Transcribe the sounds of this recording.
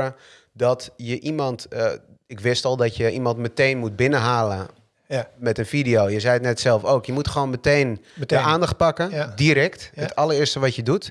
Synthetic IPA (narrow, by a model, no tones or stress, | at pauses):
ə | dɔtjəʔimɔnt | ɪkʋɪstɔlˠdɔtjəʔimɑntməteːnmut̚bɪnəɦaːlə | mɛtənfidioːjəzɛjətnɛtsɛlˠfoːkjəmutxəʋoːnməteːndəaːndɑxt̚pakədiɾɛktətʰɑlərɪːrstəʋɔtjədut